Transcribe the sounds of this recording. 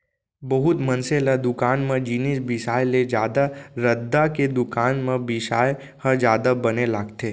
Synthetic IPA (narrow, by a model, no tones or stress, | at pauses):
bəɦʊt̪mɐnselad̪ʊkaːnmẽd͡ʒiːnisbɪsaːjled͡ʒjaːd̪aɾəd̪ːaked̪ʊkaːnmẽbɪʃaːj | həd͡ʒjaːd̪abɐnelaːɡt̪eː